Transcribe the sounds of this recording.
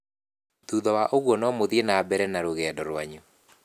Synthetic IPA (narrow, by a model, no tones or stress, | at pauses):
tuðɔwaʔoɣwɔnɔmoðienabɛɾɛnaɾoɣɛːdɔɾwaɲu